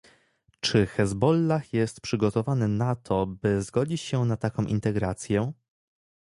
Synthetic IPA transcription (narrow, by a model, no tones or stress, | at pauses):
t͡ʂɘxɛzbɔlːaxjɛst̪pʂɘɡɔt̪ɔvanɘnat̪ʰɔbɘzɡɔd͡ʑit͡ɕɕɛnat̪akɔ̃w̃ʔḭnt̪ɛɡɾat̪sʲjɛ